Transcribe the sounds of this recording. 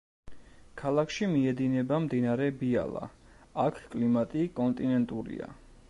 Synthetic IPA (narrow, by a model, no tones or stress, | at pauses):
kʰalˠakʰʃimiɛd̪inɛbamd̪inaɾɛbia̰lˠa̰ | akʰkʼlimat̪ʼikʼɔnt̪ʼinɛnt̪ʼuɾḭa̰